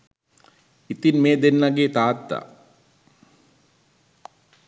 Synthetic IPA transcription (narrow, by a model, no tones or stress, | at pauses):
it̪inmeːd̪enːaɡeːt̪aːt̪ːa̰